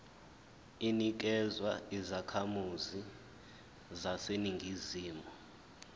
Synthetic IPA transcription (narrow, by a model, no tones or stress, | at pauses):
inik̬ɛzwaizakʰamuzi | zaseniŋɡʱiziːmɔ